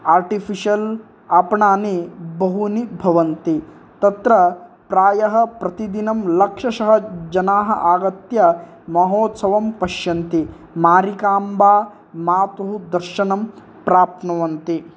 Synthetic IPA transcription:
aːɾʈifʰiʃɐl | aːpɳaːnibɐɦunibʱɐʋɐnt̪i | t̪ɐt̪ɾɐ | pɾaːjɐɦɐpɾɐt̪id̪inɐmlɐkʂɐʃɐɦɐd͡ʒɐnaːɦɐ̰ʔaːɡɐt̪jɐ | mɐɦoːt̪sɐʋɐmpɐʃjɐnt̪i | maːɾikaːmbaː | maːt̪ɐɦud̪ɐɾʃɐnɐm | pɾaːp̚t̪ʰnɐʋɐnt̪i

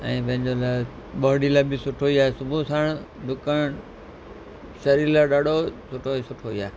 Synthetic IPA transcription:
ɛ̃ːpɐ̃ɦɪ̃ɲd͡ʑola | ɓəɾɽiːlaːbɪsʊʈʰoiaːɦesʊbʱũsaːɽ̃ | ɖʱʊkəɳ | sɐɾiːɾlaːɗaːɖʱosʊʈʰoisʊʈʰoiaːɦe

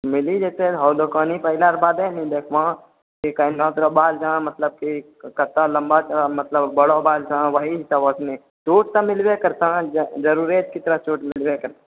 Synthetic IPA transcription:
mɪlid͡ʒɛːseɦɔːlokaːnipɐɪlaɾbaːd̪ɛ̃nĩd̪eːkʰʋãː | kikɐɪnãːt̪ɾobaːld͡ʒãmɐt̪ləb̚ki | kɐt̪ãlɐ̃mbat͡ʃmɐt̪ləbbɐɽobaːld͡ʒaʋɐɦiɦɪsaboːsnẽ | t͡ʃuːʈ̚t̪ɐmɪlwekɐɾt̪ãd͡ʒɐɾuːɾeːt̪̚kɪt̪ɾat͡ʃuːʈmɪlwekɐɾt̪

